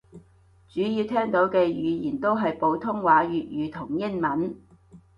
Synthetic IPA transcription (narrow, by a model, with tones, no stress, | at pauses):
t͡ʃyː˨˥ji˧wt̪ʰɛː˥ŋt̪o˨˥wkɛː˧jyː˨˧jiː˨˩nt̪o˥wɦɐ˨jpo˨˧wt̪ʰʊ˥ŋwaː˨˧˥ɥyː˨t̚jyː˨˧t̪ʰʊ˨˩ŋjɪ˥ŋmɐ˨˥n